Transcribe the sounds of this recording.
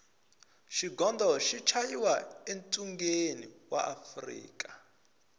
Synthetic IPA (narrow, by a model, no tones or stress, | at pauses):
ʃiɡɔndʱɔʃit͡ʃʰajiwaentʼuŋɡeniwa̰ʔafrḭːkʼḁ